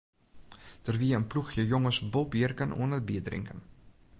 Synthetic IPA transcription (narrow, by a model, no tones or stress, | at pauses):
dərviːəənpluxjəjoŋəsbolˠpjərkənʔṵənəbiədrɪ̰ŋkən